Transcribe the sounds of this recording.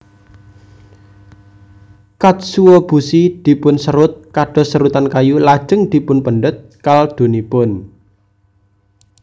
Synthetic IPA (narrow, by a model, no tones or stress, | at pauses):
kat̪̚suwɔb̥ṳsid̪̥i̤pʊnsəɾʊt̪̚kaɖ̥ɔ̤səɾut̪ankajulad̥ʒ̥əŋd̪̥i̤pʊnpəɳɖʊt̪̚kald̪̥o̤nipʊn